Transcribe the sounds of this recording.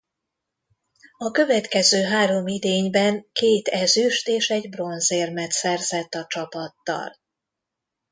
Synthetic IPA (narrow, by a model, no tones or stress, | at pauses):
ɒkø̞vɛt̪kɛzøːɦaːɾo̞mid̪eːɲbɛŋkeːt̪ɛzyʃt̪eːʃɛɟbro̞nzeːrmɛt̪sɛrzɛt̪ːɒt͡ʃɒpɒt̪ːɒ̰l